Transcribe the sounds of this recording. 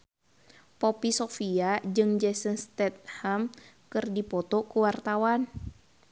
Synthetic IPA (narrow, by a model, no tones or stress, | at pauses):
popisofiad͡ʒɨŋd͡ʒɛsənst̪ɛt̪̚ham | kɨrdipɔt̪ɔkuwart̪awan